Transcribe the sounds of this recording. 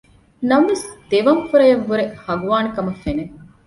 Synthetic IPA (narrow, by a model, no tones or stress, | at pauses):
nɐmʋesd̪̥eʋɐŋfuɾɐjɐʋːuɾehɐɡuʋaːnikɐmɐfene